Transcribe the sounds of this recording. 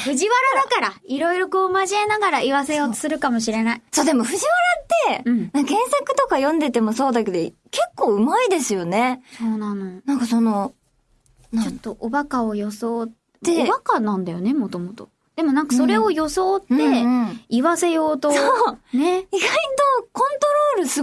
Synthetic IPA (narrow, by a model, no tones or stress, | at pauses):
ɸɯ̟ʑiβaɾad̪akaɾaiɾo̞iɾo̞ko̞ːmaʑienaɡaɾaiβase̞jo̞ːt̪o̥sɨɾɯ̟kamo̞ɕiɾe̞naiso̞ːd̪e̞mo̞ɸɯ̟ʑiβaɾat̪ːe̞ɯ̟̃ɴnãɡẽ̞ɰ̃sakɯ̟̥t̪o̞kajõ̞nd̪e̞t̪e̞mo̞so̞ːd̪ake̞d̪o̞ | ke̞kːo̞ːɯ̟maid̪e̞sɨjo̞ne̞soːnãnonãŋkaso̞no̞ | nt͡ɕot̪ːo̞ʔobakao̞jo̞so̞ː | ebakanãnd̪ajo̞ne̞mo̞t̪o̞mot̪o̞̰ | d̪̥e̞mo̞nãŋkaso̞ɾe̞o̞jo̞so̞ːt̪ːe̞iβase̞jo̞ːt̪osoneiɡait̪o̞kõ̞nt̪o̞ɾo̞ːɾɯ̟sɨ